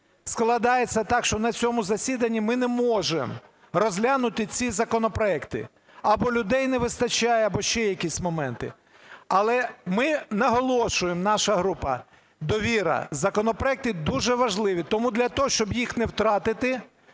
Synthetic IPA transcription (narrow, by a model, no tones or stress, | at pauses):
sklˠɐd̪ɑjet͡sʲːɐt̪ɑkʃt͡ʃɔnɐt͡sʲɔmʊzɐsʲid̪ɐnʲːimɪnɛmɔʒḛm | rɔzʲlʲanʊt̪ɪt͡sʲizɐkɔnɔpɾɔɛkt̪ɪ̰ | ɐbɔlʲʊd̪ɛjnɛʋɪst̪ɐt͡ʃajɛɐbɔʃt͡ʃɛjɐkʲisʲmɔmɛnt̪ɪ̰ | ɐlˠɛmɪnɐɦɔlˠɔʃʊjemnɑʃɐɦɾupɐ̰ | d̪ɔʋʲiɾɐ̰zɐkɔnɔpɾɔɛk̚t̪ɪd̪uʒɛʋɐʒlˠɪʋʲit̪ɔmud̪lʲɐt̪ɔɦɔʃt͡ʃɔbjixnɛwt̪ɾɑt̪ɪt̪ɪ